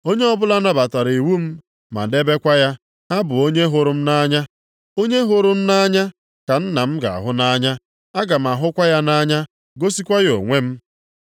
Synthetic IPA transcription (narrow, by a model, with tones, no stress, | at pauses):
o˦ɲe˦ɔ˦bʊ˦la˦na˦ba˨ta˨ɾi˨wu˦m̩˦ | ma̰˨de˦be˦kʷa˦ja˦ | a˦bʊ˨o˦ɲe˦ɦʊ˨ɾʊ˦m̩˦na˦ɲa˦ | o˦ɲe˦ɦʊ˨ɾʊ˦m̩˦na˦ɲa˦ | ka˨n̩˦na˨m̩˦ɡa̰˨a̰˨ɦʊ˦na˦ɲa˦ | a˦ɡa˨m̩˨a˨ɦʊ˦kʷa˦ja˦na˦ɲa˦ | ɡo˦si˦kʷa˦ɣo̰˨ŋʷe˦m̩˦